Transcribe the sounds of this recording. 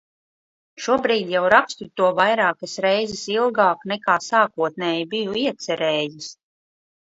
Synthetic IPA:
ʃuɔbɾiːd̪jawɾakst̪ut̪ːuɔvajɾaːkasɾɛjzɛsilˠɡaːknɛkaːsaːkuɔt̪̚nɛːjibijuiɛt̪sɛɾɛːjis

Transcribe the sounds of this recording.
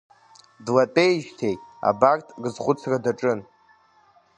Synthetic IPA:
dlatʼejʒtʰe̞ja̰bartʰʼɡɨzχʷʊt͡sʰradaʈ͡ʂʼɨn

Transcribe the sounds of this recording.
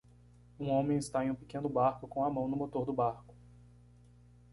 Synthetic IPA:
ũõmẽj̃ɪst̪aẽj̃ũpi̥kẽnʊbaɾkʊkõw̃ɐmɐ̃w̃nʊmot̪oɾd̪ʊbaɾkʊ̥

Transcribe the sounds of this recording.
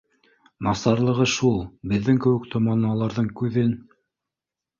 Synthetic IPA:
mɑsɑɾlˠɤ̆ʁɤʃulˠbɘ̆ðːɘŋkɘ̆wɘkt̪ʰŏmɑnɑɑlˠɑɾðɤɴkʉðɘn

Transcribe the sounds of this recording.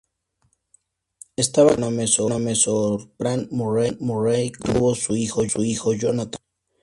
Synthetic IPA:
est̪aβanamesonamesoɾpɾanmoremorejt̪uβosuixosuixoʝonat̪ḁn

